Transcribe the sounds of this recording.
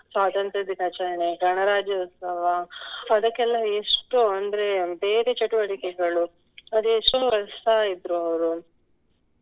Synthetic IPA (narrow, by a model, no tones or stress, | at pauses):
saːd̪ɐnt̪ɐd̪inɐt͡ʃɐjɐɳeɡɐɳɐɾaːd͡ʒɐut̪sɐʋɐːd̪ɐkːɛlːɐeʂʈuɐnd̪ɐɾebeːɾet͡ʃɐʈuʋɐɽikɛɡɐɭu | ɐd̪ueʂʈonuʋɐɾɐsaid̪ɾuɐʋɐɾu